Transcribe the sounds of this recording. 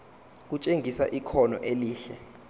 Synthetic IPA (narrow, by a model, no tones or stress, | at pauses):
k̬ut͡ʃʼeŋʱisaʔikʰɔnɔʔeliːɬɛ